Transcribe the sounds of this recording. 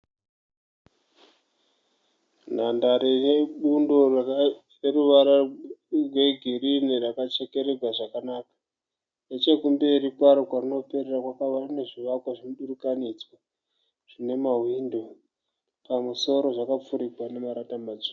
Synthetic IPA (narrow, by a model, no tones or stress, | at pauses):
n̤andaɾereɓundo̞r | reruʋaɾarwe̞ɡʱirinirakat͡ʃe̞ke̞ɾe̞ɡwaʐakanaːkḁ | net͡ʃe̞kumbeɾikwaɾokwarino̞pe̞rerakwakaʋarine̞ʐiʋakwaʐinoɗurukanid͡zwa | ʐ̥ine̞mawindo | pamuso̞ɾo̞ʐakap͡fuɾiɡwane̞maɾatamad͡zo